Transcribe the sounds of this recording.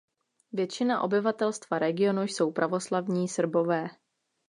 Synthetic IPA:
vjɛt͡ʃɪnaʔo̞bɪvat̪ɛlst̪vaɾɛɡɪo̞nujso̞wpɾʔavo̞slavɲiːsr̩bo̞vɛː

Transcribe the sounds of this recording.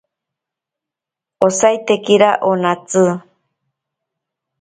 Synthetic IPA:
osajt̪ekiɾaʔonat͡sɨ

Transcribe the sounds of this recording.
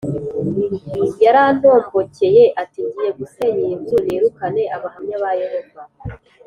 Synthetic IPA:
ɡijaɾan̥o̞ːmɡo̞ce̞je̞ʔatiːɲɟije̞ɡuse̞ɲijibzuɾeɾukane̞aβahamɲaβajeɾekwa

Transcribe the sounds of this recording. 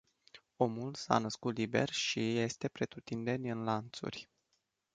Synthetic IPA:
o̞mulsa̰nəskut̪libe̞̰rʲʃije̞st̪e̞pɾe̞t̪ɾut̪ind̪e̞nʲɨnlant̪sṵrʲ

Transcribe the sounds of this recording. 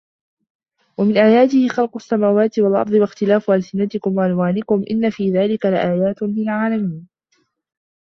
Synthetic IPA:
wamɪnʔaːjaːt̪ɪhɪxɑlqʊsːamaːwaːt̪ɪwalʔɑ̰ɾˤd̪ˤɨwaxt̪ɪlaːfʔalsɪnat̪ɪkʊmwaʔanwaːnɪkʊmʔɪ̰nːafiːðaːlɪkalaʔaːjaːt̪lɪlʕaːlamiːn

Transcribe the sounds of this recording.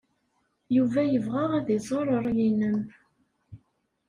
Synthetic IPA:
juvæjəvʁaʁæðizˤoɾˤəɾˤjinəm

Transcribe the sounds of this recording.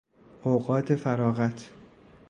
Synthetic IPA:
ʔoɣɒːt̪ʰefæɾɒːɣæt̪ʰ

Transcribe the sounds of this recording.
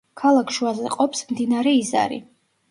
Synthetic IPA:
kʰalˠakʰʃuazɛqʼɔpsmd̪inaɾɛiza̰ɾḭ

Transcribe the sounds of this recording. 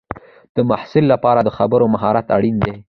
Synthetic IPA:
d̪̥əmahsɪlːapɑɾad̪əxabəɾomaɦɑɾat̪a̰ɽind̪e

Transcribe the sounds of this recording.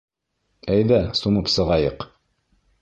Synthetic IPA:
æjðæsumɤpsɤ̆ʁɑjɤq

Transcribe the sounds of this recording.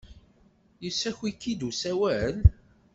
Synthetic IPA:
jəsːæçwikːid̪usæwæʕəl

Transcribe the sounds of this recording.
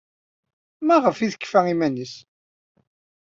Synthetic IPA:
mæʁəfiðəkːfæimænis

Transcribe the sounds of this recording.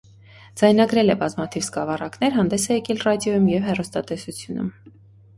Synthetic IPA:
d͡zɑjn̪ɑɡɾɛlɛbɑzmɑt̪ʰivskɑvɑrɑknɛɾɦɑnd̪ɛsɛjɛkɛlrɑd̪jɔjumjɛvɦɛrɔst̪ɑt̪ɛsut͡sʰjunṵm

